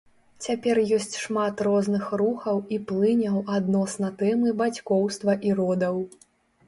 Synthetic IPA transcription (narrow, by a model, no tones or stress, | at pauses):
t͡sʲapʲɛrjɔsʲt͡sʲʂmat̪rɔznɨxruxɐwiplˠɨnʲɐwad̪nɔsnɐt̪ɛmɨbat͡sʲkɔwst̪vɐʔiɾɔd̪ɐw